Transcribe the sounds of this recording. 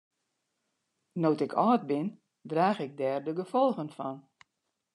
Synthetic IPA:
notɪkʰɔːt̚bɪn | draːɣɪɡ̚dɛːrdəɡəfɔlˠɣənfɔn

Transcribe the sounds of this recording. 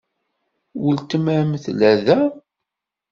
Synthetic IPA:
wəlt̪əmæɾmθlæðæ

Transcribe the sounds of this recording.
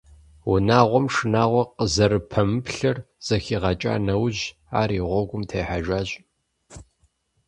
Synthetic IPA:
wʊnaːʁʷɔmʂɨnaːʁʷɔqəzɐɾɨpʰɐmɨpɬɐr | z̥ɐxiːʁɐt͡ʃʼa̰ːnɐwʑ | a̰ːɾiːʁʷɔɡʷʊmtʰejħaʒʷaːʑʼ

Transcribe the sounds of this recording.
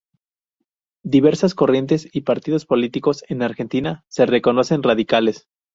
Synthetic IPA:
d̪iβe̞ɾsasko̞rje̞nt̪̬e̞sipaɾt̪iðo̞spo̞lit̪iko̞se̞naɾxe̞nt̪inase̞re̞ko̞nose̞nraðikale̞s

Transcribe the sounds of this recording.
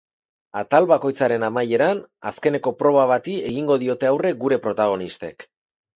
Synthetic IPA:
at̪alβako̞jt͡saɾe̞namaje̞ɾana̰ske̞ne̞ko̞pɾo̞β̞aβat̪ie̞ɣiŋɡo̞ðio̞t̪e̞awre̞ɡuɾe̞pɾo̞t̪aɣ̞o̞nist̪e̞̰k

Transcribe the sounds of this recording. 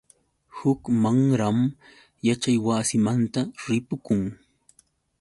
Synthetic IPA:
hʊkmaŋɾam | jat͡ʃajwasɪmant̪aɾɪpʊkʊŋ

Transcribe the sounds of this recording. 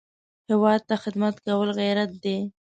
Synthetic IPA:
hɪwɑd̪̚t̪axɪd̪mat̪kawəlɣeɾat̪̚d̪e

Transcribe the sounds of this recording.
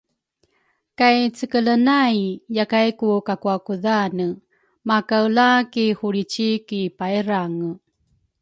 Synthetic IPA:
kajt͡səkələnajjakajkukakuakuðanə | makawlakihuɾit͡ʃikipaiɾaŋə

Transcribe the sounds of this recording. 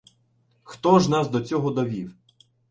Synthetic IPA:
xt̪ɔʒnɑsd̪ɔt͡sʲɔɦɔd̪ɔʋʲiw

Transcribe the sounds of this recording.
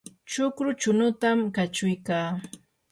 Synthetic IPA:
t͡ʃʊkɾʊt͡ʃʊnʊt̪amkat͡ʃʊjkaː

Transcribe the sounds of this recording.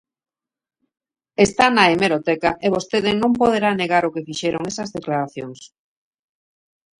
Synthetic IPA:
est̪anaemeɾot̪ɛkaʔeβ̞ost̪eðɪnõmpoðeɾaneɣaɾokefiʃeɾoŋesɐzðeklaɾaθjoŋs

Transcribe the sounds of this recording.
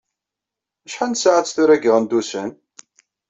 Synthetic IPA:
æʃħansaʕat͡sːθuɾæɡəʁənd̪usən

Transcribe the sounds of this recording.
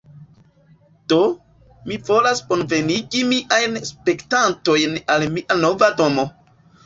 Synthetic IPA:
d̥o̞ | mivo̞lasko̞nve̞niɡimiʔajnspe̞ktanto̞jnalmiʔano̞vado̞mo̞

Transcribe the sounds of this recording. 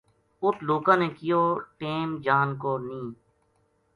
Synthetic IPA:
ʊt̪ʰloːkãːneːkɪjoːʈeːmd͡ʒaːnkoːnĩː

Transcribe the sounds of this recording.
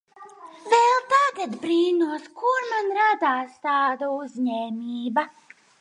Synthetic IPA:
vɛlˠt̪aɡad̪bɾiːnuɔskuɾmanɾad̪aːst̪aːd̪auzɲɛːmiːba

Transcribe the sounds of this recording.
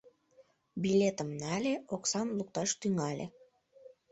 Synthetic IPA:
bilʲet̪əmnɑlʲeʔoksɑmluk̚t̪ɑʃt̪yŋɑlʲʔḛ

